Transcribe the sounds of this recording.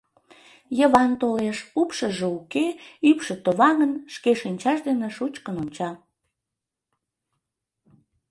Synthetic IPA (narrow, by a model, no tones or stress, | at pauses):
jəβɑnt̪oleʃupʃəʒeukeypʃet̪oβɑŋənʃkeʃinʲt͡ɕɑʃd̪eneʃut͡ɕkənonʲt͡ɕɑ